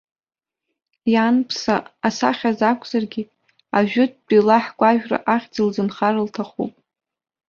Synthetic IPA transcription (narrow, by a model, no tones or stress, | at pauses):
janpʰsaasa̰χʲazakʷʰʼz̥arɡʲɪ | aʒᶣʊt̚ʰʼt͡pʼilaħɡʷʼaʒᶣra̰ʔaχʲd͡zilzɨnχarɨltʰaχṵpʼ